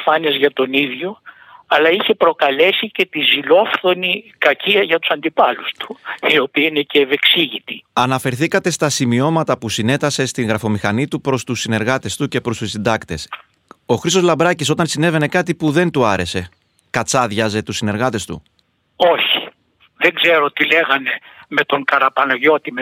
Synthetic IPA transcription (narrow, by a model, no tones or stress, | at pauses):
fɐniɐzʝɐt̪o̞niðʝo̞ | ɐlɐiçe̞pɾo̞kɐle̞sice̞t̪izilo̞fθonikɐciɐʝɐt̪u̥sɐnd̪ipɐlust̪u̥io̞piɐineceːve̞ksiʝit̪iɐnɐfe̞ɾθikɐt̪e̞st̪ɐsimio̞mɐt̪ɐpusine̞t̪ɐse̞st̪iŋɣɾɐfo̞mixɐnit̪upɾo̞st̪usːine̞ɾɣɐt̪e̞st̪uce̞pɾo̞st̪usind̪ɐkt̪e̞s | o̞xɾist̪o̞zlɐmbɾɐciso̞t̪ɐnsine̞ve̞ne̞kɐt̪ipuðe̞nt̪uɐɾe̞se̞ | kɐt͡sɐðʝɐze̞t̪usine̞ɾɣɐt̪e̞st̪ṵ | oçi̥ | ðeŋɡze̞ɾo̞t̪ile̞ɣɐne̞me̞t̪o̞ŋkɐɾɐpɐnoʝo̞t̪ime